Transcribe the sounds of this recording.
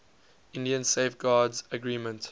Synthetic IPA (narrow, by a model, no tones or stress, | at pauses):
ɪ̃ndiə̃nseɪfɡɑːdzəɡɹiːmə̃nt